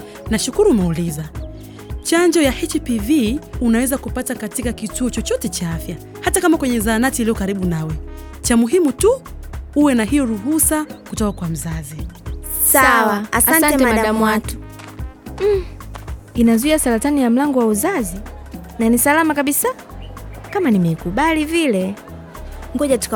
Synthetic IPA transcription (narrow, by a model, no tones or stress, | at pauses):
naʃukuɾuːmɛuliza | t͡ʃaɲd͡ʒɔjaʔɛt͡ʃpiviunawɛzakupatakatikakituɔt͡ʃɔt͡ʃɔtɛt͡ʃaafja | hatakamakwɛɲɛzaːnatiliɔkaɾiɓunawɛ | t͡ʃamuɦimutuuwɛnaɦijɔɾuɦusakutɔkakwam̩zazisawaasaaɛɛaɗaɗamwatu̥ | inazuiasaɾatanijam̩laŋɡɔwauzazi | nanisalamakaɓisa | kamanimɛikuɓalivilɛ | ŋɡɔʄatu̥